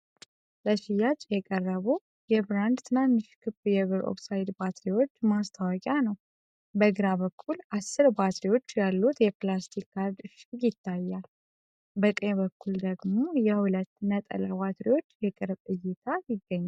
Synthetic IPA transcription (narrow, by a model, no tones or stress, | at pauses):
ləʃɪjat͡ʃʼjɛkʼərːəβu | jɛbɾand̪t̪ʰɨnanːɨʃkʰɨbjɛβɨɾʔo̰ksajd̪bat̪ɾiwo̞t͡ʃːmast̪ʰawɔkʼjanəw | bəɡɾaβəkʰːulʔasːɨɾbat̪ɾiwo̞t͡ʃːjalːut̪jɛplast̪ʰikʰːaɾd̪ɨʃijɪt̪ʰːajːal | bəkʼəjβəkʰːuld̪əɡmo̞jɛhulət̪ːnət̪ʼə̰labat̪ɾiwo̞t͡ʃːjɛkʼɨɾbʼɨjːɪt̪ʰajɪɡːəɲːa